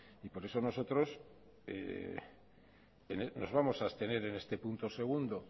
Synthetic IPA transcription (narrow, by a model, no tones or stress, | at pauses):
ipo̞ɾe̞so̞no̞so̞t̪ɾo̞s | ḛ | eneno̞zβamo̞saest̪e̞ne̞ɾe̞ne̞st̪e̞punt̪ose̞ɣ̞und̪o̞